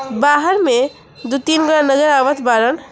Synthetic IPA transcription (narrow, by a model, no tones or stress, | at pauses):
baɦəɾme | d̪ut̪inɡɾãnəɡəɾaʋət̪ʰbaɾən